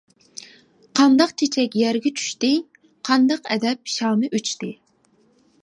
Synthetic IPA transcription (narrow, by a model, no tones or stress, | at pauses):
qʰɑnd̪ɑqt͡ʃʰet͡ʃʰɛkʲjæɾɡʲɛt͡ʃʰy̥ʃt̪ɪ | qʰɑnd̪ɑqɛ̰d̪ɛp̚ʃɑːmɨʔøt͡ʃʰt̪ɪ